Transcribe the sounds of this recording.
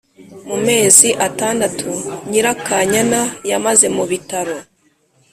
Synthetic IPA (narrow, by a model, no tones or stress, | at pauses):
mume̞ːziʔataːndatʰuɲiɾakaɲanajamaze̞muβitaɾo̞